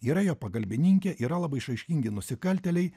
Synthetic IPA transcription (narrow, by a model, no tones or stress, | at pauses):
iːɾɐjoːpɐkɐlʲbʲɪnʲɪŋʲkʲɛʔiːɾɐlˠɐbɐɪʃɐɪʃʲkʲɪŋʲɡʲɪnʊsʲɪkɐlʲt̪ʲɛlʲɛɪ